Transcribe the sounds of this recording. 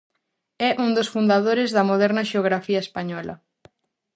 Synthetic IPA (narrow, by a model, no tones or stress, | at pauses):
ɛʔuŋd̪osfund̪aðoɾɪzðɐmoðɛɾnɐʃeoɣɾafiɐespaɲɔlɐ̰